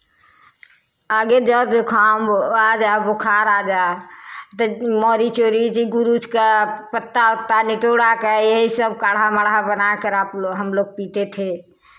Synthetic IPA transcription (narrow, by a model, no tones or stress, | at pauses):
aɡed͡ʒəokʰamad͡ʒabokʰaɾad͡ʒa | t̪əmɔːɾit͡ʃoːɾid͡ʒiɡuɾud͡ʒkapət̪ːaʊt̪ːaniʈoɽakajəɦisəb̚kaːɽɦaməɽɦabənakəɾapɦəmloːɡ̚pit̪et̪ʰe